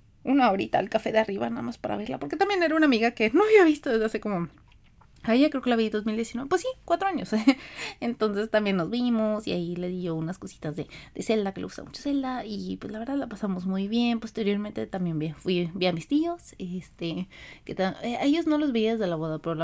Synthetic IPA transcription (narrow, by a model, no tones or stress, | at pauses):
unao̞ɾit̪a̰lkafe̞ðeariβa̰naða̰maspaɾa̰βe̞ɾla̰poɾke̞t̪ambje̞ne̞ɾaunamiɣakenoaβiaβist̪oðezðease̞ko̞mo | aeʝakɾeokelaβiðiðo̞zmild̪jesinweepwesːikwat̪ɾoaɲosent̪o̞nse̞st̪ambje̞nːozβimosia̰ile̞ðiʝo̞unasko̞si̥t̪azðeðese̞ld̪akeleɣu̥st̪a̰mut͡ʃose̞ld̪aipwezlaβeɾðaðlapasaβmozmujβje̞npo̞st̪eɾjo̞ɾmẽnt̪e̞t̪ambje̞nmbifwibiamist̪io̞sest̪eket̪aeaeʝo̞zno̞lo̞zβe̞iaðezðe̞laβoðapeɾol